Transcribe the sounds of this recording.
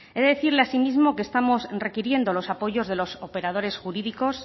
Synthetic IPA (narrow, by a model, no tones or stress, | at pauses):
eðe̞ðeθiɾle̞asimizmo̞kest̪amo̞sre̞kiɾje̞nd̪o̞lo̞sapo̞ʝo̞zðe̞lo̞sope̞ɾað̞o̞ɾe̞sxuɾiðiko̞s